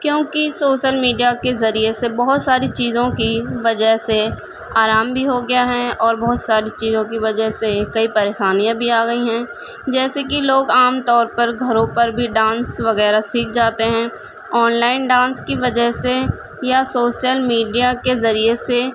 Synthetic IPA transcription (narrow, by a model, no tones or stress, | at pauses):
kjõːkisoːʃəlmiːɖijakezɐɾiesebɔɦʊt̪saːɾit͡ʃiːzõkiʋɐd͡ʒəɦse | aːɾaːmbʱiɦoɡɐjaɦɛ̃ɔːɾbɔɦʊt̪saːɾit͡ʃiːzõk̬iʋɐd͡ʒəɦsekɐipɐɾeːʃaːnijãbʱiaːɡɐiɦɛ̃ː | d͡ʒɛːsekiloːɡaːmt̪ɔːɾpɐɾɡʱɐɾõpɐɾbʱiɖãːnsʋɐɣɛːɾasiːk̚ʰd͡ʒaːt̪eɦɛ̃ː | ɔːnlaːɪnɖãːnskiʋɐd͡ʒəɦse | jasoːʃijəlmiːɖijakezɐɾiese